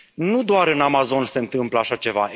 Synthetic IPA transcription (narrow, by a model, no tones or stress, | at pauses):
nud̪oaɾɨnamazo̞nse̞ɨnt̪ɨmpləaʃat͡ʃe̞va̰